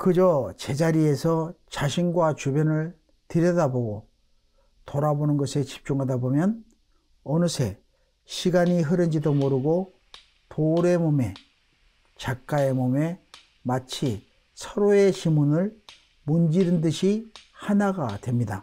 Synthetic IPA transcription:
kɯd͡ʑʌt͡ɕe̞d͡ʑaɾie̞sʰʌt͡ɕaɕʰinɡwat͡ɕubjʌnɯɭ | tɯɾjʌdaboɡo | toɾabonɯnɡʌsʰet͡ɕi̥p̚t͡ɕ͈uŋɦadabomjʌn | ʌnɯsʰe̞̰ | ɕʰiɡaɲiɦɯɾɯnd͡ʑidomoɾɯɡo | tʰoɾe̞mome̞ | t͡ɕak̚k͈ae̞mome̞ | mat͡ɕʰi | sʰʌɾoe̞ɕimunɯɭ | mund͡ʑiɾɯndɯɕʰihanaɡatwe̞mɲida

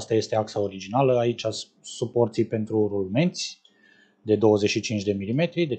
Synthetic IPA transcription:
st̪aje̞st̪e̞aksao̞ɾid͡ʒinaləait͡ʃʲa | supo̞rt̪sijpe̞nt̪ɾurulme̞nt̪sʲ | d̪e̞d̪o̞wəze̞ʃit͡ʃint͡ʃd̪e̞milime̞t̪ɾid̪e

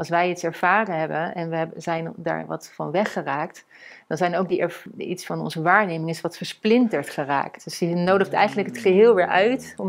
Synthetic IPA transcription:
ɑlˠsʋɛjitsɛɹv̥aːrəɦɛbənɛnʋəɦɛbzɛjnda̰ːɹʋɑ̰tfɑ̰nʋɛχəraːkt | d̥ɑnzɛjnowk̚diʔɛɹḭtsfɑnɔ̰nzəʋaːɹnejmɪŋɪsʋɑtfəɹsplɪntəɹtχəra̰ːktdɵsinowdəχtɛ̰jχəntləkɦətχəɦɪːlˠʋɪːɹʔœɥtɔm

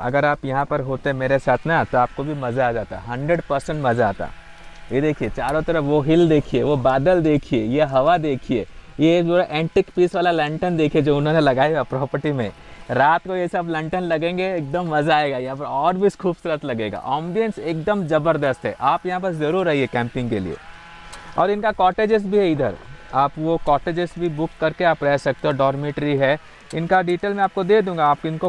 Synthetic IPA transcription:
ɐ̰ɡəɾaːpjɐɦãpɐɾɦoːt̪eɦɛ̃meːɾesaːt̪ʰnɐt̪oaːp̚kobʱimɐzaːd͡ʒaːt̪a̰ɦɐ̃ɳɖɾeɖpɐɾsə̃ɳʈmɐzaaːt̪a̰ | jed̪eːkʰiet͡ʃaːɾõt̪ɐɾəfʋoɦɪld̪eːkʰieʋobaːd̪əld̪eːkʰiejeɦɐʋad̪eːkʰieːjezoːɾaʔẽːɳʈɪkpiːsʋaːlalɐ̃ɳʈənd̪eːkʰied͡ʒoːʊnɦõnelɐɡaːjapɾɔːpəɾʈimḛ̃ | ɾaːt̪kojesɐblɐ̃ɳʈənlɐɡẽːŋɡeeːk̚d̪əmːɐzaːeːɡajɐɦãpɐɾɔːɾbʱiskuːbsʊɾət̪lɐɡeːɡa̰ʔãːmɖijə̃nseːk̚d̪əmzɐbəɾd̪əst̪ɦɛ̰ʔaːpjɐɦãp̬ɐɾzɐɾuːɾːɐɦiɦɛkɛ̃ːmpɪ̃ŋɡkelḭḛː | ɔ̰ːɾɪnkakɔːʈeːd͡ʒɪs̬ʈ̚bʱiɦɛiːd̪ə̰ɾaːpʋokɔːʈeːd͡ʒɪsʈbʱibʊkːɐɾkeaːpɾɛsɐk̚t̪eɦɔɖɔːɾmeːʈɾiɦɛ | ɪnkaɖiːʈeːlmẽaːp̚kod̪eːd̪ũːŋɡaaːp̚kɪnko

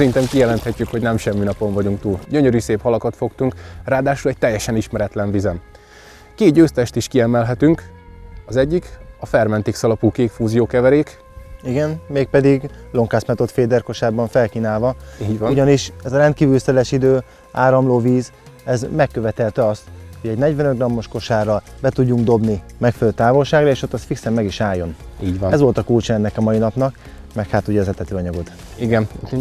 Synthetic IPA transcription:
ɛɾint̪ɛmkijɛlɛnt̪hɛcːykho̞ɟnɛmʃɛmːinɒpo̞ɱvɒɟuŋk̚t̪uːlɟøɲøɾyːseːphɒlɒkɒt̪fo̞kt̪uŋkraːd̪aːʃulɛc̚t̪ɛjːɛʃɛniʃmɛɾɛt̪lɛɱvizɛm | keːd̪̚ɟøːst̪ɛʃt̪iʃkiɛmɛlɦɛt̪yŋk | ɒzɛɟːikɒfɛrmɛnt̪eːksɒlɒpuːkeːkfuːzijoːkɛvɛɾeːk | iɡɛnmeːk̚pɛd̪iɡlo̞ŋkaːsmɛt̪o̞t̪feːd̪ɛrko̞ʃaːbɒɱfɛlkiːnaːlvɒiːɟʋuɟɒniʃɛzɒɾɛnt̪̚kiːvylsɛlɛʃid̪øː | aːɾɒmloːviːz | ɛzmɛkːøvɛt̪ɛlt̪ɛɒst̪hoɟɛɟnɛɟʋɛnøɡrɒmːo̞ʃko̞ʃaːrɒbɛt̪uɟːuŋɡd̪o̞bnimɛkfɛløːt̪aːvo̞lʃaːɡrɒeːʃo̞t̪ːɒst̪fiksɛmːɛɡiʃaːjo̞niːɟʋɒɛzvʋo̞lt̪ɒkult͡ʃɔɛnːɛkɒmɒinɒpnɒk | mɛkhat̪uɟɛɒzɛt̪ɛt̪øːɒɲɒɡo̞t̪ | iɡɛn

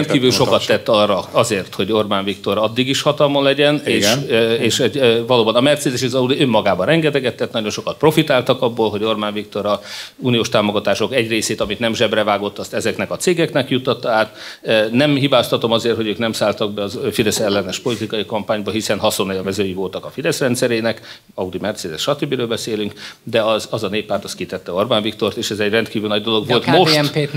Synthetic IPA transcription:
ɛnkiːvyːlʃo̞kɒt̪ːɛt̪ːɒrːɒɒzeːrt̪ho̞ɟo̞rbaːnvikt̪o̞ɾɒd̪ːiɡiʃhɒt̪ɒlmonlɛɟɛneːʃeːʃɛɟvɒloːbɒnɒmɛrt̪seːd̪ɛʃizɒud̪iømːɒɡaːbɒnɛŋɡɛt̪ɛɡɛt̪ːɛt̪ːnɒɟo̞nʃo̞kɒt̪̚pro̞fit̪aːlt̪ɒkɒbːolɦoɟo̞rbaːɱvik̚t̪o̞ɾɒuːnijoːʃt̪aːmoɡɒt̪aːʃo̞kɛɟreːseːt̪ɒmit̪nɛmʒɛbrɛvaːɡo̞t̪ːɒst̪ɛzɛknɛkɒt̪seːɡɛknɛkjut̪ːɒt̪ːɒaːt̪nɛmhibaːst̪ɒt̪o̞mɒzeːrt̪ho̞ɟøːknɛmsaːlt̪ɒɡ̚bɛɒzfid̪ɛsɛlːɛnɛʃpo̞lit̪ikɒjikɒmpaːɲbɒɦisɛnɦɒso̞najɒvɛzøːjivo̞lt̪ɒkɒfid̪ɛsrɛnt̪sɛɾeːnɛk | ɒud̪imɛrt̪seːd̪ɛsʃɒt̪øbːiɾøːlbɛseːlyŋkd̪ɛɒzɒzɒneːpːaːrt̪ɒst̪̚kit̪ɛt̪ːɛo̞rbaːɱvikt̪o̞rt̪eːʃɛzɛɟrɛnt̪kiːvylnɒɟd̪oloɡʋo̞lt̪moʃme

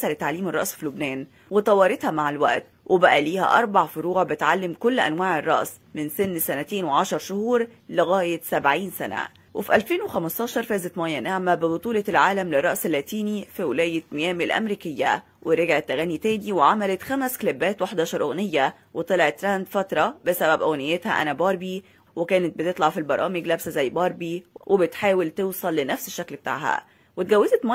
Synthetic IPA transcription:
sælet̪ːaʕliːmerˤɑ̰ʔsfilobnæːn | wet̪ˤɑwɑːɾˤet̪hæmaʕelwæ̰ʔt̪ | wʔebæʔæliːhæ̰ʔɑ̰ɾˤbɑʕfoɾuːʕbɪt̪ʕalːɪmkolːʔæ̰nwæːʕerˤːɑ̰ʔs | mɪnsɪnːsænæt̪eːnweʕɑʃɑɾˤʃohuːɾlɪɣæːjet̪sæbʕiːnsænæ̰ | wʔefiʔælfeːnwexæmɑst̪ɑːʃɑɾˤfæːzæt̪mæːjːænaʕmæbɪbot̪ˤuːlɑlʕaːlæmlɪrˤːɑʔselːæːt̪iːnifiwelæːjet̪mejæːmelʔæ̰mɾiːkɪjːæ̰ | wʔeɾeɡʕet̪ːæɣænːit̪æːniweʕamælæt̪xæmæsklebːæːt̪weħd̪ɑːʃɑɾˤʔoɣnejːæ | wet̪ˤɑlʕet̪ːɾænd̪fɑt̪ɾˤɑbesæbæbʔæwænɪjːet̪hæ̰ʔæ̰næbɑːɾˤbi | wekæːnet̪̚bet̪et̪ˤlɑʕfilbɑɾˤɑːmeɡlæbsæzæjːbɑːɾˤbiwʔebet̪ħaːwelt̪ewsˤɑlːenæfseʃːæklbet̪a̰ːʕhæ̰ | wet̪ɡæwːezæt̪mæ

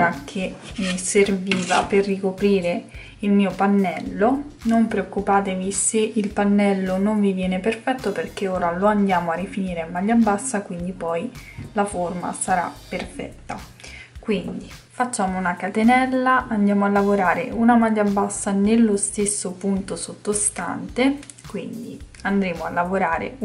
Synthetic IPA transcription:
ɾak̟ʰeserviːvaperrːikopɾiːɾe | ilmiːopanːɛlːonompɾeokːupaːt̪eviseʔilpanːɛlːonoɱvivjɛːneperfɛt̪ːoperk̟eoːɾaloand̪jaːmoarːifiniːɾeamːaʎːabːasːakwind̪ipɔjlaforma̰saɾa̰pːerfɛ̰t̪ːa̰ | kwind̪i | fat͡ʃːaːmounakat̪enɛlːaʔand̪jaːmoalːavoɾaːɾeunamaʎːabːasːanelːost̪esːopunt̪osot̪ːost̪a̰nt̪e | kwind̪i | and̪ɾeːmoalːavoɾaːɾḛ

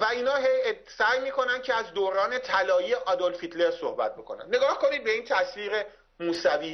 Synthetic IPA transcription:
væiːnɒːɦej | sæːjmiːkʰo̞nænd̪̥cʰeæzd̪oɾɒːnet̪ʰælɒːjiːeʔɒːd̪ɒlfit̪ʰle̞ɾso̰hbæ̰t̪̚bekʰo̞̰næ̰nd̪ne̞ɡɒːhko̞niːd̪be̞iːnt̪ʰæsviːʁe̞ | muːsæviː

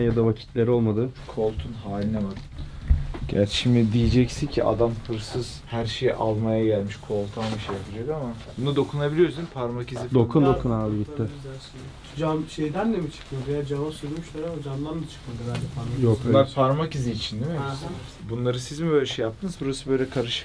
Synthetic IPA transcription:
jad̪avacʰi̥t̪ʰlʲeɾo̞lˠmad̪ɯkʰo̞lˠt̪ʰunɦaːlʲinamad̪ | ɟæ̰ɾʃimd̪id̪ijed͡ʒɛcsincʰiʔa̰d̪amfɯɾsɯz̥hæɾʃejʔalˠmajaɟælʲmiʃkʰo̞lˠt̪ʰanbiʃejapʰad͡ʒakama | bunud̪o̞kʰunabilʲijo̞ɾsinpʰaɾmacizid̪okʰund̪okʰunaːlˠbit̪ːaælʃe | d͡ʒanʃe̞jd̪ænd̪ɛmit͡ʃʰɯ̥kmad̪jad͡ʒanosilmiʃˠaɾaod͡ʒand̪ˠand̪at͡ʃʰɯ̥kmad̪ɯbælʲd͡ʒɛpʰaɾmajok̪lˠaɾpʰaɾmaciziːt͡ʃʰind̪imibunlˠaɾɯsizimbø̞jlʲɛʃejap̚t̪ʰɯnɯzbuɾasɯbø̞jlʲɛkʰaɾɯʃɯ̥k

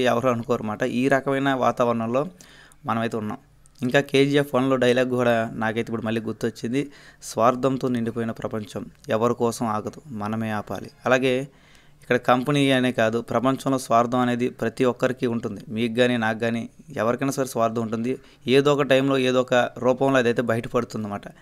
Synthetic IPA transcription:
ɛʋɐɾoɐnukɔʋaɾimaːʈɐʔiːɾɐkɐmɐjnɐʋa̰ːt̪aːʋɐɾɐɳɐmlo̞ː | mɐnɐmɐjt̪eunːa̰ːm | iŋkaːke̞ːd͡ʒijaːpʰːɐːnlo̞ːɖɐjlaːɡkuːɽaːnaːkɐjt̪eipːuɽumɐlːiːɡuɾt̪ːuʋɐt͡ʃːind̪isʋaːɾd̪ʱɐmt̪oːniɳɖipoːjinɐpɾɐpɐɲt͡ʃɐmɛʋɐɾikɔːsɐmaːɡɐd̪umɐnɐme̞ːaːpa̰ːlḭɐlaːɡe̞ː | ikːɐɽɐkɐmpɐniːɐneːkaːd̪upɾɐpɐɲt͡ʃɐmloːsʋaːɾd̪ʱɐmɐne̞ːd̪ipɾɐt̪iʋɔkːɐɾikiuɳʈund̪imiːkːaːninaːkɡaːniɛ̰ʋɐɾikɐjnaːsaːɾisʋaːɾd̪ʱɐmuɳʈund̪i | eːd̪oːɔkɐʈɐjmlo̞ːe̞ːd̪oːɔkɐɾuːpɐmloːɐd̪ɐjt̪̬e̞ːbɐjʈɐpɐɽut̪und̪imaːʈɐ

